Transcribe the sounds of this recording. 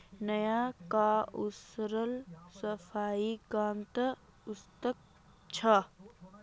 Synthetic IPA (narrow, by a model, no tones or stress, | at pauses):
nəjakausɾəlsɐfʰaːikaːmt̪ɐ | ʊst̪ək̚ | t͡ʃʰɐ